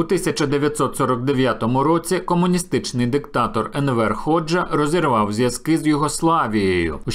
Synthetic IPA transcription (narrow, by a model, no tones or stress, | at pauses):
ut̪ɪsʲɐt͡ʃɐd̪eʋʲjɐt̪sɔt̪sɔɾɔk̚d̪eʋʲjat̪ɔmʊɾɔt͡sʲikɔmʊnʲist̪ɪt͡ʃnɪjd̪ɪkt̪ɑt̪ɔrɛnʋɛrxɔd͡ʒɐrɔzʲirʋɑwzʲjɐskɪzjʊɦɔslˠɑʋʲijejʊ̰